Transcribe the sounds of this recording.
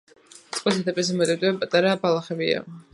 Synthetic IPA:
t̪sʼqʼwisad̪ɛpʼis̬ɛmɔt̪ʼit̪ʼiɛpʼat̪ʼaɾabalˠaχɛbia̰ʁ

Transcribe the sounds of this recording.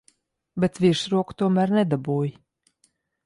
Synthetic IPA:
bɛt̪vʲiʃɾuɔkt̪uɔmæːɾnɛd̪abuːj

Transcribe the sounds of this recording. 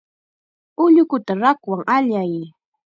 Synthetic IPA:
ʊʎʊkʊt̪aɾakwaŋaʎaj

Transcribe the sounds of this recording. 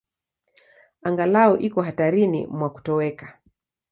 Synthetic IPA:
aŋɡalaɔʔikɔɦataɾinḭmwaku̥tɔwɛkḁ

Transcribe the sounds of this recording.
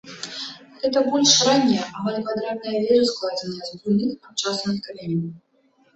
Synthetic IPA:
ɣɛt̪ɐbɔlʲʂranʲːɛjɛʔamalʲkvad̪ɾat̪̚nɐjɐvʲɛɾɨsklˠad͡zʲenʲːɐzbulʲnɨxat̪̚t͡ʂasnɨxkalʲemʲn

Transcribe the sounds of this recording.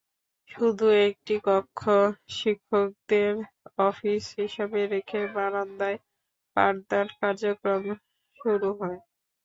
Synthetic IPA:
ʃud̪ʱuek̚ʈikɔkʰːoʃikʰːok̚d̪eɾ | ɔfisɦiʃabeɾekʰebaɾand̪ae | pa̰ɾd̪aɾkaɾd͡ʑokɾom | ʃuɾuɦɔe

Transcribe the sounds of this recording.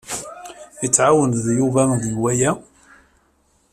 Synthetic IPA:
it͡sːʕawənðjuvæŋðjwæjæ

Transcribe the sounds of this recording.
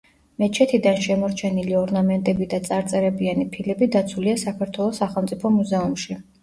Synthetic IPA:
mɛt͡ʃʰɛt̪ʰid̪anʃɛmɔɾt͡ʃʰɛniliɔɾnamɛnt̪ʼɛbid̪at̪sʼaɾt̪sʼɛɾɛbianipʰilɛbid̪at̪sʰuliasakʰaɾt̪ʰwɛlˠɔsːaχɛlˠmt̪sʼipʰɔmuzɛumʃi

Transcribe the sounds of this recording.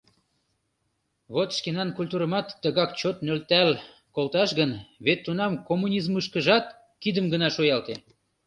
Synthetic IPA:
βot̪ʃkenɑnkulʲt̪uɾə̆mɑt̪ːəɣɑkt͡ɕot̪nølt̪æl | kolˠt̪ɑʃɣənβet̪ːunɑmkomːunʲizmɯʃkəʒɑt̪ | kid̪əmɡənɑʃojɑlt̪e

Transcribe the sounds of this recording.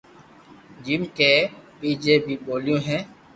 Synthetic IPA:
d͡ʒɪmkeːpiːd͡ʒeːpiːɓoːljõːɦɛ̃ː

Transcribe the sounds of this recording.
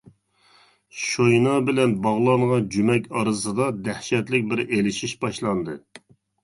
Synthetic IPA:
ʃojnɑbɪlɛnbɑʁlˠɑŋʁɑd͡ʒymɛkʲʰɑɾɨsɨd̪ɑd̪æhʃɛt̪lɪk̚ʲbɪɾelɪʃiʃbɑʃlˠɑnd̪ɨ

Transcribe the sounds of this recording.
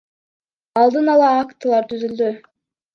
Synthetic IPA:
ɑlˠd̪ɯnɑlˠɑːkt̪ɯlˠɑɾt̪ʰyzyld̪y

